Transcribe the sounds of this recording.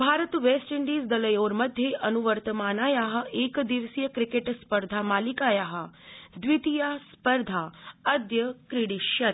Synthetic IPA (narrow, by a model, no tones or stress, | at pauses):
bʱaːɾət̪ʋesʈiɳɖiːsd̪ɐləjoːɾməd̪ʱjeʔənuʋəɾt̪əmaːnajaɦəʔekd̪iʋsijəkɾikeʈspəɾd̪ʱamalikajaɦəd̪ʋit̪ijaspəɾd̪ʱaəd̪jəkɾiɽiʃjɐt̪